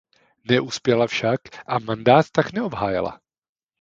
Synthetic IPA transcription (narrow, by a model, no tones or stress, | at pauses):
nɛʔuspjɛlafʃakʔamandaːt̪ːaknɛobɦaːjɛ̰la̰